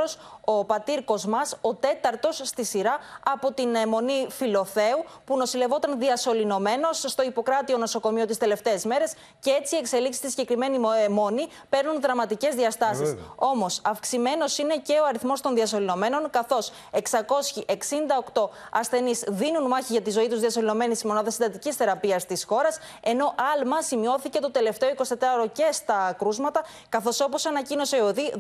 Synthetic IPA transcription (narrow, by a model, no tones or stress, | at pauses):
oso̞pɐt̪iɾko̞zmɐso̞t̪e̞t̪ɐɾt̪o̞sːt̪isiɾɐːpo̞t̪inmo̞nifilo̞θe̞upuno̞sile̞vo̞t̪ɐnðiɐso̞lino̞me̞no̞sːt̪o̞ipo̞kɾɐt̪io̞no̞so̞ko̞mio̞t̪ist̪e̞le̞ft̪e̞ːzme̞ɾe̞s | cee̞t͡siekse̞liksi̥st̪isiɟe̞kɾime̞nimo̞ni | pe̞ɾnunðɾɐmɐt̪ice̞zðiɐst̪ɐsiso̞mo̞sɐfksime̞no̞sine̞ce̞oɐɾiθmo̞st̪o̞nðiɐsolino̞me̞no̞nkɐθo̞s | e̞ksɐko̞sçiʔe̞ksind̪ɐokt̪o̞ | ɐsθe̞nizðinunmɐçiʝɐt̪izo̞it̪uzðiɐso̞lino̞me̞nisizmo̞naðɐsind̪ɐt̪icisθe̞ɾɐpiɐst̪isxo̞ɾɐs | e̞no̞ʔɐlmɐsimio̞θice̞t̪o̞t̪e̞le̞ft̪e̞oiko̞si̥t̪e̞t̪ɾɐoɾo̞ce̞st̪ɐkɾuzmɐt̪ɐ | kɐθo̞so̞po̞sɐnɐcino̞se̞oði